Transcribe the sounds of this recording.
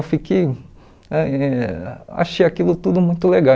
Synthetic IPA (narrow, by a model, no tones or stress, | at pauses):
wfikej | ɛɛa̰ʃejakilʊt̪ud̪ʊmũj̃t̪ʊleɡa